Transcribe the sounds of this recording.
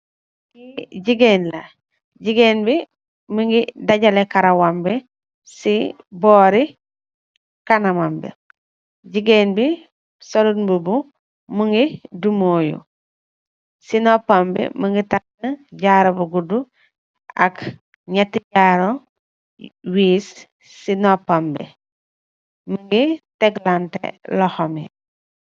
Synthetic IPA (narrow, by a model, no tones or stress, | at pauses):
kiɟiɡenla | ɟiɡeːnbi | miŋɡidaɟalekaɾawambi | si | boːɾi | kanamambḭ | ɟiɡeːnbi | solunbubu | muŋɡidumoːjṵ | sinɔpambḭməŋɡitaknɐɟaːɾɐbuɡudu | ɐk | ɲatːiɟaːɾo | wiːsː | inɔpambḭ | məŋɡitɛɡlantɛ̰lɔxɔmi